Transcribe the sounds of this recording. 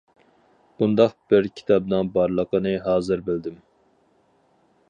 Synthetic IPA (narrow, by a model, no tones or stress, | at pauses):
b̥und̪ɑqb̥ɪɾkʲʰi̥t̪ʰɑbnɨŋbɑɾlˠəqənɨɦɑːzɨɾbɪld̪ɪm